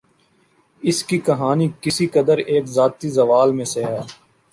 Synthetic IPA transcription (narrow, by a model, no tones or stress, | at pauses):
ɪskikɐɦaːnikɪsikɐd̪əɾeːkzaːt̪izɐʋaːlmẽseɦɛː